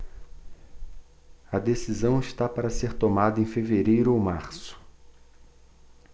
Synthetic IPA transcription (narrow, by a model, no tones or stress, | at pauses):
ɐd̪esizɐ̃w̃ɪʃt̪apaɾɐseɾt̪omad̪ɐẽj̃feveɾejɾʊowmaɾsʊ̥